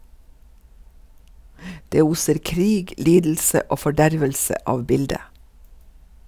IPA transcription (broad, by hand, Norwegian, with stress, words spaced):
ˈdeː ˈuːsəɾ ˈkɾiːɡ ˈliːdl̩sə ˈoː fɔˈɖæɾʋəlsə ˈʔɑːʋ ˈbɪldə